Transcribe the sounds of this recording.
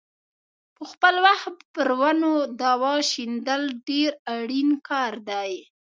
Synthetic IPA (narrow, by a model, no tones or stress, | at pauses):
pəxpəlwaxt̪̚pəɾwanod̪ɑwɑʃind̪əlɖeɾaɽinkɑɾd̪aj